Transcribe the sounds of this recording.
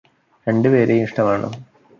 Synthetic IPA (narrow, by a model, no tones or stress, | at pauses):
ɾe̞ɳɖɨpe̞ːɾeiʂʈɐmaːɳɨ̰